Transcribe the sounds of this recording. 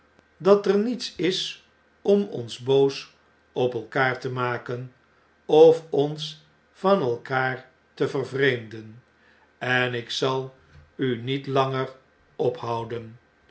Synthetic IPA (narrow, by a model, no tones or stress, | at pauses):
dɑtəɹnitsɪs | ɔmɔ̰nzbows | ɔpɛlˠkaːɹtəmaːkən | ɔfɔns | fɑnɛlˠkaːr | təvərvrejmdən | ɛnɪksɑlˠ | ynitlɑŋər | ɔphʌwdən